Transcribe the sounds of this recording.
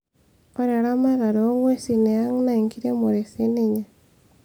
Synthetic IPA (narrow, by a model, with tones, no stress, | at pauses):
o˦ɾe˨ɾa˦ma˦ɾa˨ɾoo˦ŋwe˦si˨ne˨a˦ŋ˦na˦˨i˨ŋki˦ɾe˦mo˨ɾe˨se˦ne˦ɲa˨